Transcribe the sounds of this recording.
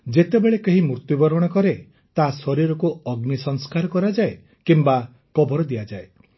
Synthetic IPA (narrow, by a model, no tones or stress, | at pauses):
d͡ʒet̪ebeɭekeɦimuɾt̪jubɔɾɔɽ̃ɔkɔɾe | t̪asɔɾiɾɔkuɔɡnisɔŋskaɾɔkɔɾad͡ʒae | kimba | kɔbɔɾɔd̪iad͡ʒae